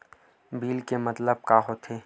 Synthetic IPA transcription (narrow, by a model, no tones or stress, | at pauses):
biːlkemɐt̪ləb̚kaːɦot̪ʰeː